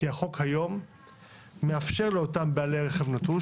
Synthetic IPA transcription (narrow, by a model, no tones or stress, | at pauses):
iaχo̞khajo̞mː | eafʃe̞ʁleotambealeʁeχevnatu